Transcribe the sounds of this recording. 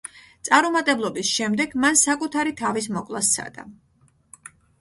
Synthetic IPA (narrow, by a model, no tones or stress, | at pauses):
t̪sʼaɾɔmat̪ʼɛblˠɔbisʃɛmd̪ɛɡmansakʼut̪ʰaɾit̪ʰavis̬mɔkʼlˠast̪sʰa̰d̪̥a̰